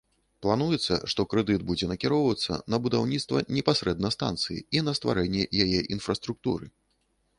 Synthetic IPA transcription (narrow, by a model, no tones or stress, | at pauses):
plˠanujɛt̪sːɐ̰ʂt̪ɔkɾɛd̪ɨd̪̚bud͡zʲɛnɐkʲiɾɔwvɐt̪sːɐ̰nɐbud̪awnʲit̪st̪vɐnʲɛpasɾɛd̪̚nɐst̪a̰nt̪sɨjḭinɐst̪va̰ɾɛnʲːɛjajɛʔinfɾɐst̪ɾuk̚t̪uɾɨ̰